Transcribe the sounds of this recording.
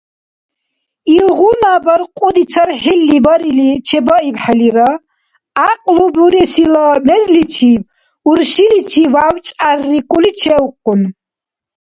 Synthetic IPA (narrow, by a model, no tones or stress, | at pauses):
ilʁunabaɾqʼud̪it͡sʰaɾħilːibaɾilit͡ʃʰɛbɔipħɛliɾa | aqʼlubuɾɛsilamɛrlit͡ʃʰi | uɾʃilit͡ʃʰivawt͡ʃʼarːikʼulit͡ʃʰɛwqʼːun